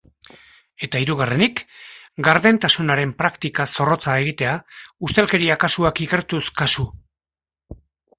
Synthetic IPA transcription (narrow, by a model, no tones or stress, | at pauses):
e̞t̪aiɾuɣ̞are̞nik | ɡaɾðe̞nt̪asunaɾe̞mpɾakt̪ikaso̞ro̞t͡sae̞ɣ̞it̪e̞aust̪elke̞ɾiakasuakike̞ɾt̪uskasu